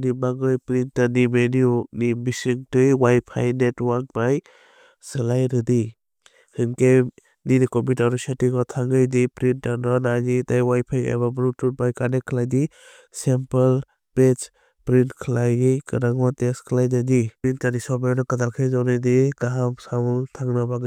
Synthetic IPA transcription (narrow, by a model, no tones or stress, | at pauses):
nibaɡɯjpɾinanimeninibisiŋtɯjwajpʰa̰jnetwak̚baj | sɯlajɾɯdi | hɯnke | ninikɔmitaɾusatiɡɔtʰaŋɡɯjdipɾintanɔnanitajwajpʰaja̰babɾutubajkanekʰlajdi | sempal | pet͡ʃ | pɾintkʰlajɯkɯɾaŋwateskʰlajdadiintanisɔbajnɔkad̪alkʰɯjzawnɯjdiɡaɦamsamtʰaŋnabaɡ